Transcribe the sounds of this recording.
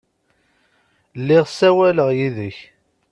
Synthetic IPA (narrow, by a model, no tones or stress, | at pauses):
lːɪʁsæwæləʁjiðəç